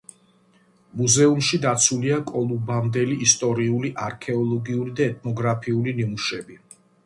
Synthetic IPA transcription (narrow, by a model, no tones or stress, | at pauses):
muzɛumʃid̪at̪sʰuliakʼɔlˠubamd̪ɛliːst̪ʼɔɾiuliʔaɾkʰɛɔlˠɔɡiuɾid̪aɛt̪ʰnɔɡɾapʰiulinimuʃɛbi